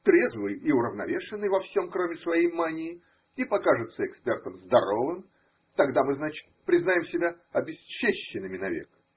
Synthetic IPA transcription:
t̪ɾʲe̞zvɨjiʊɾəvnɐ̰vʲe̞ʂɨnːɨjvɐfsʲo̞mkɾomʲɪsvɐjejmanʲɪjɪ | ipɐkaʐɨt̪səɪkspʲert̪əmzd̪ɐɾo̞vɨm | t̪ɐɡd̪amɨznat͡ɕɪ̥t̪̚pɾʲɪznajʲɪmsʲɪbʲa | ɐbʲɪst͡ɕːeɕːɪnɨmʲɪnɐvʲḛk

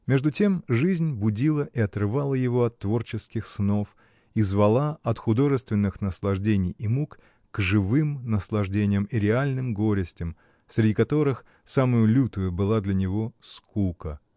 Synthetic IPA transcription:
mʲeʐd̪ʊtʲe̞mʐɨzʲnʲbʊdʲilˠəʔiɐt̪ɾɨvalˠəjɪvo̞ɐt̪ːvo̞rt͡ɕɪskʲɪxsno̞f | izvɐlˠaɐt̪xʊd̪o̞ʐɨst̪vʲɪnːɨxnəslˠɐʐdʲenʲɪjimukː | kʐɨvɨmnəslˠɐʐdʲenʲɪjəmiɾʲɪalʲnɨmɡo̞ɾʲɪsʲtʲɪm | sɾʲɪdʲikɐt̪o̞ɾɨx | saməjʊlʲut̪ʊjʊbɨlˠad̪lʲɐnʲɪvo̞skukə

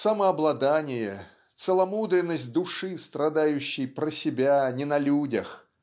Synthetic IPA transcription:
sɐməɐblˠɐd̪anʲɪjɛ | t̪səlˠɐmud̪ɾʲɪnːəsʲt̚ʲd̪ʊʂɨst̪ɾɐd̪ajʉɕːɪjpɾəsʲɪbʲanʲɪnɐlʲudʲəx

